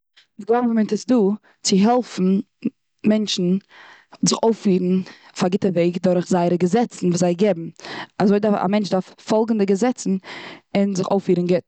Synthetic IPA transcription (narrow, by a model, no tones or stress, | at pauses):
dɪɡlˠabəmɪntɪsduː | t͡sɪɦɛlˠfn̩ | mɛnʃn̩ | zɪχoʊfiːɾn̩ | faɡɪtəveɪkdʊɾχzaɪəɾəɡəzɛt͡sn̩vuːszaɪɡɪbm̩azoɪdaa̰mɛnt͡ʃdaɾffɔlˠɡŋ̩dɪɡəzɛt͡sn̩ɪnzɪχo̰ʊfiːɾn̩ɡɪt